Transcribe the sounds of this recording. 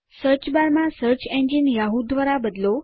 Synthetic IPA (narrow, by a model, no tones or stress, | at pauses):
səɾt͡ʃbaɾmãsəɾt͡ʃɛ̃nd͡ʒinjaɦud̪ːʋaɾabəd̪lo